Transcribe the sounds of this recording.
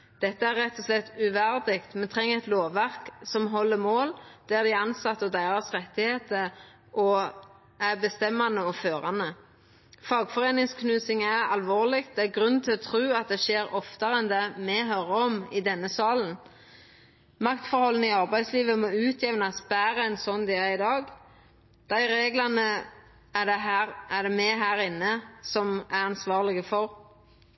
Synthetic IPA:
d̪̥ɛt̪ːəæɾːɛt̪ːɔslɛt̪ːʉʋæɾd̪ɪkt̪mɛnt̪ʰʁɛŋːəɛt̪loːʋːæʁksɔmɦɔlːəmoːld̪̥æʁd̪ɪɑnsɑt̪ːɔd̪æɪʁɑsʁɛt̪ːɪheːt̪ə | ʔɔ | æbəst̪ɛmːɑnəɔføːɾɑnə | fɑːɡfɔʁeːnɪŋskʰnʉːsɪŋæʁɑ̰lʋoːʁlɪk̚t̪̚d̪ɛæɾɡʁʉnːt̪ʰɪlɔt̪ʰɾʉːɑt̪̚d̪ɛʃeːɾɔft̪əɾɛnd̪ɛmɛɦœɾəɔmɪd̪ɛnːəsɑːln̩ | mɑkt̪fɔɾhɔlːən̩ɪɑʁbæɪsliːʋəmoːʉːt̪ʰjɛʋnɑsbæːʁəɛnsɔnd̪ɛæɪd̪ɑːɡ | d̪̥æɪɾeːɡlɑnə | æd̪ɛɦæʁæd̪ɛmɛɦæːɾɪnːəsɔmæʁɑnsʋɑːʁlɪɡəfɔɾ

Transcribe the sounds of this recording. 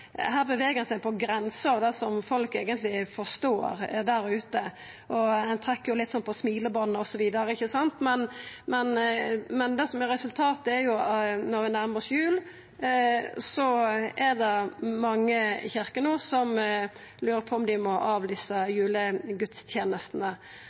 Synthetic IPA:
ɦæːɾbəʋeːɡəɛnsæɪpʰɔɡɾɛnsəɑʋd̪ɛsɔmfɔlkeːɡənt̪lɪfɔst̪oːɾd̪æɾʉːt̪ə | ʔɔɛnt̪ʰɾɛkːəjʊlɪt̪ːsɔnːpʰɔsmiːləbɔnːəɔsɔʋiːd̪ɑɾəɪçːəsɑnt̪mɛnmɛnmɛnd̪ɛsɔmɛɾɛsʉlt̪ʰɑːt̪ɛɾjʊnɔɾʋɪnæɾməsjʉːl | sɔɛd̪ɛmɑŋːəçɪɾkənuːsɔm | lʉːɾəpʰɔɔmd̪ɪmɔʔɑːʋlɪːsəjʉːləɡʉt̪st̪ʰjeːnəst̪ənə

